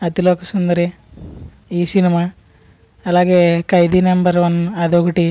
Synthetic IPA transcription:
ɐt̪iloːkɐsund̪ɐɾe | iːsinima | ɐlaːɡeːkɐjd̪inembɐɾʋɐnɐd̪oɡʈi

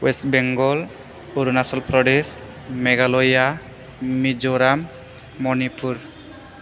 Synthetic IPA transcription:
wesbeŋɡɔl | uɾunasɔlpɾɔɖes | meɡalɔja | mid͡ʒɔɾamː | ɔnipʰuɾ

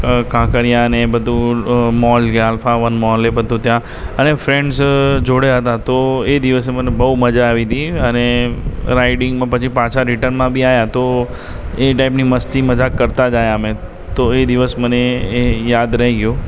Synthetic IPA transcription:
kãkəɾijãənebəd̪ʱũmɔlɡjalfaʋənmɔlebəd̪ʱũt̪jã | ənefɾeɳɖsd͡ʒoɽjaɦət̪at̪oed̪iʋəs̬emənebəuməd͡ʒaːʋid̪iəneɾaɪɖɪŋɡmãpət͡ʃʰipãt͡ʃʰaɾɪʈənmãbʱiajat̪o | eʈaipniməst̪iməd͡ʒakːəɾt̪ad͡ʒajəme | t̪oed̪iʋəsməneejad̪ɾəɦiɡjo

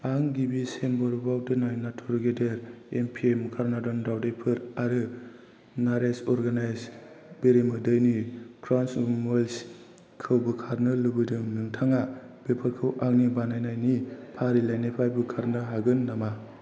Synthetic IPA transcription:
aŋɡibisenbɔɾbawdɯnajnatʰuɾɡedeɾempʰiemkʰaɾnadɔndawdejpʰɯɾaɾɯ | naɾesɔɾɡanajs | b̥eɾemɯdɯjnikʰɾansmols | kʰɯwbɯkʰaɾnɯlɯbɯdɯŋnɯŋtʰaŋab̥epʰakʰɯwʔaŋnibanajnajnipʰaɾilajnepʰajbɯkʰaɾnɯɦaɡɯnːama

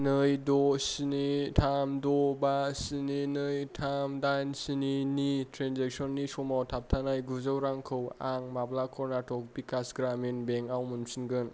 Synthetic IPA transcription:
nɯjdɔsinitʰamdɔbasininɯjtʰamdajnsininitɾenzek̚sɔnːisɔmawtʰap̚tʰanajɡuzawɾaŋkʰɯwaŋmablakʰɔɾnatʰɔk̚bikasɡɾaminbeŋawmɯnsinɡɯn

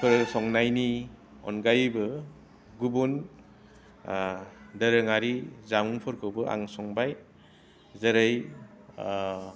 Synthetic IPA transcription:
pʰɯɾsɔŋnajni | ɔ̰nɡajbɯ | ɡubun | dəɾɯŋaɾizamuŋpʰɯɾkʰɯwbɯʔa̰ŋsɔŋbaj | zəɾɯj

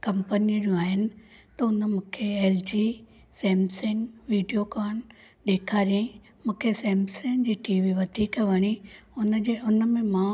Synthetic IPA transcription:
kɐ̃mpənid͡ʑũaːɦɪnɪ̆ | t̪ɐʊnmũːkʰeeːld͡ʑiː | sɛ̃ːmsɪ̃ŋɡʋiːɖijokaːɳ̃ | ɗeːkʰaːɾiẽ | mũːkʰesɛ̃ːmsɪ̃ŋɡd͡ʑiːʈiːʋiʋɐd̪ʱiːkʋɐɽ̃iʊnd͡ʑeʊnəmẽmã

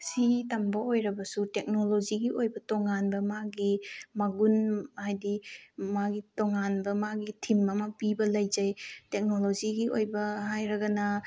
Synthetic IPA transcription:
sitɐmbɐojɾɐbɐsutek̚noloziɡiojbɐtoŋanbɐmaɡimɐɡunhajdimaɡitoŋanbɐmaɡitʰimɐmɐpibɐlɐjzajtek̚noloziɡiojbɐhajɾɐɡɐnɐ

